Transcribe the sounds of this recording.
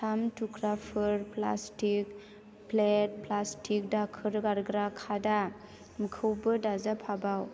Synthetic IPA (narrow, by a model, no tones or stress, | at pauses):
sʰamtukʰɾapʰɯɾpla̰stik̚ | plet̚plastik̚dakʰɯɾɡaɾɡɾakʰada | mɯkʰɯwbɯdazapʰabaw